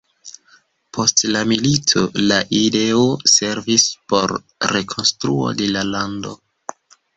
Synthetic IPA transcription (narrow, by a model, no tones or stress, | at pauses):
pʰo̞stlamilitʰo̞̰laʔide̞ose̞ɾvispo̞ɾ | ɾe̞kʰo̞nstɾuo̞̰de̞lalando̞̰